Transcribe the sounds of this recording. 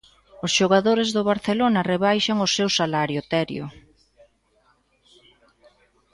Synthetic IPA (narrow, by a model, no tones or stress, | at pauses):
ʊsʃoɣaðoɾezðʊβaɾθelonɐreβajʃaŋʊsewsalaɾjot̪ɛɾjʊ̰